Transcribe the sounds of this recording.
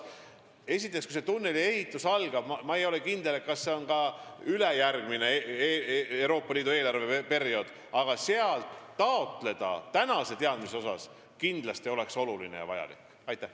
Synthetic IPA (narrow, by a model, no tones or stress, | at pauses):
e̞sʲit̪ːˑekskujse̞t̪unːe̞lie̞hit̪ːˑusɑlɡ̥ɑb̥mɑmɑejo̞lekind̪elet̪̚kɑsːe̞onkɑyle̞jærɡ̥mine̞eewɾo̞ːpˑːɑliːd̪ueːlɑɾrvepe̞ɾio̞d̪̥ | ɑɡ̥ɑseɑlt̪ːɑot̪ˑle̞d̪̥ɑ̰t̪ænɑse̞t̪e̞ɑd̪̥miseo̞sɑ̰s | kind̪lɑst̪io̞le̞kso̞lulinejɑ̰vɑjɑ̰lḭk | ɑjt̪ːˑæh